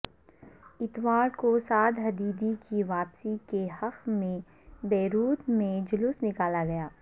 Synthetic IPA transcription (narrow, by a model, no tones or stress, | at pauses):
ɪt̪ʋaːɾkosaːd̪ɦɐd̪iːd̪ikiʋaːpsikehɐqmẽ | bɛːɾuːt̪mẽd͡ʒʊlʊsnɪkaːlaɡɐjaː